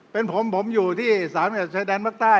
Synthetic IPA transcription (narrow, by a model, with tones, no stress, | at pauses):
pe˧npʰo˨˩˦mpʰo˩˦mjuː˨˩t̪ʰiː˥˩saː˩˦n˧˨a˨˩t͡ɕʰaː˧jdɛː˧nmaː˥˩k̚t̪aː˥˩